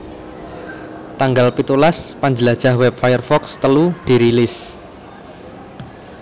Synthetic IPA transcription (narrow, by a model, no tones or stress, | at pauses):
t̪aŋɡalpit̪ulaspaɲd͡ʒəlad̥ʒ̥a̤hwɛp̚fajərfɔkst̪əlud̪̥i̤ɾilɪs